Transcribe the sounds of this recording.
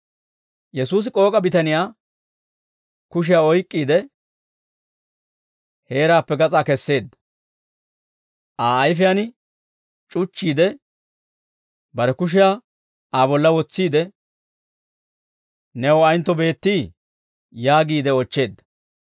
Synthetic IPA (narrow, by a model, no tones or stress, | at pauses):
jɛsuːs̬ɪkʼo̞ːkʼɐbɪt̪ɐnɪjaː | kʊʃ̬ɪjaːɔjkʼːiːd̪ɛ | he̞ːɾaːpːɛɡɐt͡sʼaːkɛsːe̞ːd̪ːɐ̥ | ʔaːjfɪjanɪ | t͡ʃʼʊt͡ʃːiːd̪ɛ | bɐɾɛkʊʃ̬ɪjaː | ʔaːbɔlːɐwɔt͡sːiːd̪ɛ | nɛwɔɐjnt̪ːɔbe̞ːt̪ːiː | jaːɡiːd̪ɛɔt͡ʃːe̞ːd̪ːɐ̥